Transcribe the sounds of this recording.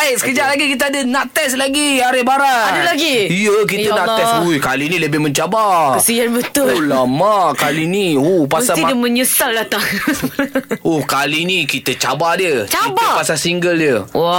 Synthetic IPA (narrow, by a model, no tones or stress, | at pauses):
ajsə̥kəd͡ʒaʔlaɡikit̪̬əadənaʔt̪ɛslaɡiaɾɪbaɾaadəlaɡiijək̬it̪ənaʔt̪ɛsujkalinĩləbɪhmə̃ɲt͡ʃabakəsianbət̪ʊulamaʔkaliniupasaidəmə̃ɲusaldat̪aŋ | ɔhkalinikit̪ət͡ʃabadət͡ʃaibapasasiŋɡəldəw